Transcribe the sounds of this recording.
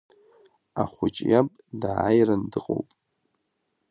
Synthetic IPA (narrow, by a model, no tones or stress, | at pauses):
aχʷʊt͡ʃʼjapʼdajrandɨqʼo̰wpʼ